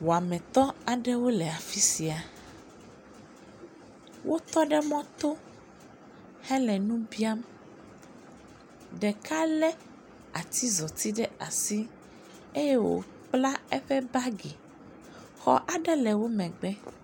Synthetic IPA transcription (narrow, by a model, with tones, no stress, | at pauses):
wo˨a˨mɛ̃˨t̪ɔ˦a˨ɖɛ˦wo˦lɛ˨a˨fi˦si˨a˨ | wʔo˦t̪ɔ˦ɖɛ˦mɔ̃˦t̪o˦ | hɛ˦lɛ˨nũ˦bi˦a˦m | ɖɛ˨ka˦lɛ˦ | a̰˨t̪i˦zɔ˨t̪i˦ɖɛ˦a˨si˦ | e˦jɛ˦wo̰˨ | k͡pla˦ɛ˦ɸɛ˦ba˦ɡi˨ | xɔ̰˨ʔa˨ɖɛ˦lɛ˨wo˦mɛ̃˨ɡ͡bɛ˦